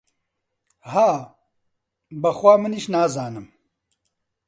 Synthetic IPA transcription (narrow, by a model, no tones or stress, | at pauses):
haː | bɐxwʷaːmɨniʃnaːzaːnɨm